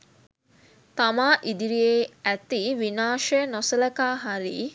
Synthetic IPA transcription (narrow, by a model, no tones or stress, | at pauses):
t̪amaːʔid̪iɾieæt̪iʋinaːʃənosɐlɐkaːɦaɾḭː